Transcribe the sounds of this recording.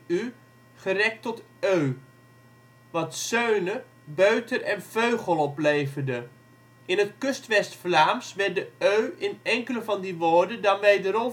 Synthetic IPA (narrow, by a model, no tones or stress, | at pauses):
y | χərɛk̚tɔt | øɥ | ʋɑtsøɥnə | bøɥtəɹɛnv̥øɥχəlˠɔplejvəɹdə | ɪnətkɵstʋɛstflaːmsʋɛɹdəøɥɪnɛŋkələvɑndiʋoːɹdəndɑnʋejdəɾɔ